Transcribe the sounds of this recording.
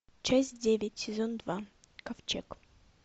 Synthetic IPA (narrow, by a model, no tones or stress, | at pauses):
t͡ɕæsʲt̚ʲdʲevʲɪtʲsʲɪzond̪va | kɐft͡ʃḛk